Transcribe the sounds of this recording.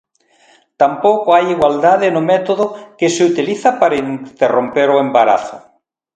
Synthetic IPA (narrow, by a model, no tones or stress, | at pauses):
t̪ampowkoajiɣwald̪aðɪnʊmɛt̪oðʊkesɪut̪iliθɐpaɾaint̪erompeɾoembaɾa̰θʊ̰